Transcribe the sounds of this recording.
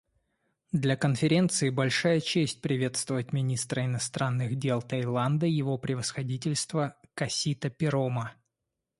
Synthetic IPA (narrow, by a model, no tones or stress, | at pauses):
d̪lʲɐkənfʲɪɾʲe̞nt̪sɨɪbɐlʲʂajət͡ɕesʲt̚ʲpɾʲɪvʲe̞t̪st̪vəvət̚ʲmʲɪnʲist̪ɾəɪnɐst̪ɾanːɨɣdʲe̞lˠt̪ɐjlˠand̪əjɪvopɾʲɪvəsxɐdʲit̬ʲɪlʲst̪vəkɐsʲit̪əpʲɪɾomə